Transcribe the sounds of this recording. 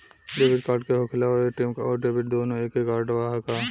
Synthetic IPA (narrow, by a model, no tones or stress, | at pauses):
ɖeːbɪʈ̚kaːɾʈkeɦoːkʰɪlaoeʈɪmkaɔːɾɖeːbɪʈd̪oːnõeːkːekaːɾɖəʋaːɦakaː